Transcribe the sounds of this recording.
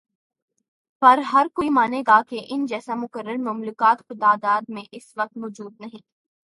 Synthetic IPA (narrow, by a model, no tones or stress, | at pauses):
pɐɾɦɐɾkoːimaːneːɡakeʔɪnd͡ʒɛːsamʊkəɾːəɾmɐmlʊkaːt̪kot̪aːd̪aːd̪mẽʔɪsʋɐq̚t̪mɔːd͡ʒuːd̪̚nɐɦĩː